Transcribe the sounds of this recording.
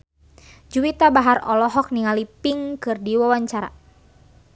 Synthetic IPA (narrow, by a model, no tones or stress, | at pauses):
d͡ʒuwit̪abaɦarɔ̰lɔɦɔk̚niŋalipiŋkɨrdiwawaɲt͡ʃaɾa̰